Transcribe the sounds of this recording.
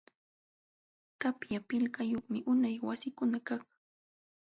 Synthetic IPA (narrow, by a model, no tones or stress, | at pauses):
t̪apjapɪʎkajoχmɪʔʊnajwasɪkʊnakaχ